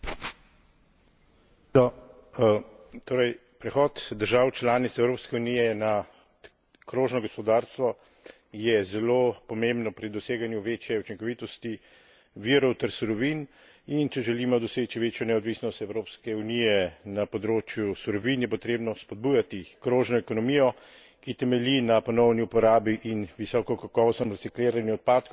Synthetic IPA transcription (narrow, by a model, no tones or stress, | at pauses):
nɔ | t̪oːɾɛj | pɾɛxɔːt̪d̪əɾʒaːwt͡ʃlaːnit̪sɛwɾoːpskɛunijɛna | kɾoːʒnɔɡɔspɔd̪aːɾst̪ʋɔ | jɛzɛloːpɔmembnɔpɾid̪ɔseːɡanjuʋeːt͡ʃjɛut͡ʃiŋkɔʋit̪ɔst̪i | ʋiːɾɔwt̪ɛɾsuɾɔʋin | int͡ʃɛʒɛlimɔd̪ɔseːt͡ʃiʋeːt͡ʃjɔnɛɔd̪ʋisnɔst̪ɛwɾopskɛunijɛnapɔd̪ɾoːt͡ʃjusuɾɔʋinjɛpɔt̪ɾeːbnɔspɔd̪̚buːjat̪ikɾoːʒnɔɛkɔnɔmiːjɔ | kit̪ɛmɛlinapɔnɔwniupɔɾaːbiʔinʋisɔːkɔkakɔːʋɔst̪nɔmɾɛtsikleːɾanjuɔt̪̚paːt̪k